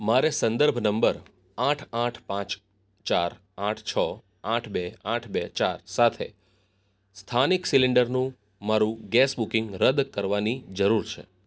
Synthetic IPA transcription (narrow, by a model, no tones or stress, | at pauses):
maɾesə̃nd̪əɾbʱnəmbəɾ | aʈʰaʈʰpãt͡ʃ | t͡ʃaɾ | aʈʰt͡ʃʰə | aʈʰbeaʈʰbet͡ʃaɾsat̪ʰḛ | st̪ʰaniksiliɳɖəɾnũ | maɾũɡɛsbukiŋɡɾəd̪kəɾʋanid͡ʒəɾuɾt͡ʃʰḛ